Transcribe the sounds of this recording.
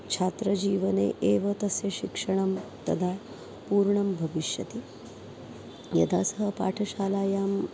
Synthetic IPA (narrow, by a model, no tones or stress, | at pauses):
t͡ʃʰaːt̪ɾɐd͡ʑiːʋɐnḛʔeʋɐt̪ɐseɕikʂɐɳ̃ɐmt̪ɐd̪ʱa | puːɾɳɐmbʱɐʋiʃjɐ̰t̪i | jɐ̰d̪ʱasəɦəpa̰ːʈʰɐʃaːlaːjaːm